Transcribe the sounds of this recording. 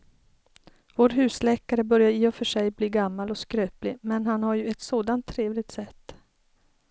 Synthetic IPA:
voːɾɦʉ̟ːslɛːkaɾəbœɾjaɾiːɔfœʂɛjbliːɡamːalɔskɾøːplɪmɛnɦanhaɾjɵɛt̪soːd̪ant̪ʰːɾeːvlɪɡt̪sɛt̪ː

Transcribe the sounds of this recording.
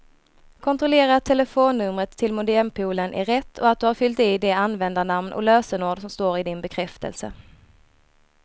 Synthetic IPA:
kʰɔnt̪ɾɔleːɾat̪ʰːɛləfoːnːɵmɾət̪ʰːɪlmʊd̪ɛɾmpʰuːlənʔæ̰ɾɛt̪ʰːɔat̪̚d̪ɵhaɾfʏlt̪iːd̪ɛanːvɛnd̪anamnʔɔ̰løːsənoːɖsɔmst̪oːɾɪd̪ɪnbɛkʰɾɛft̪ə̰lsə̰

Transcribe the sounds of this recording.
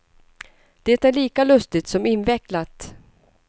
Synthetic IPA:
d̪̥ɛt̪æɭiːkalɵst̪ɪt̪sɔmɪnvɛklat̪

